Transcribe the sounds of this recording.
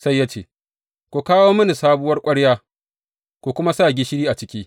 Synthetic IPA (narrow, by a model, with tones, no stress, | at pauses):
sa˦jːa˦t͡ʃḛː˦ | kʷu˨kaː˦woː˦mɐ˦ni˨saː˦bʊ˦wɐ˦rkʷʼɐ˦ɽjaː˦ | kʷu˨kʷʊ˦ma˦saː˦˨ɡʲi˦ʃɪ˦ɽiː˦ʔa˨t͡ʃɪ˦kʲiː˦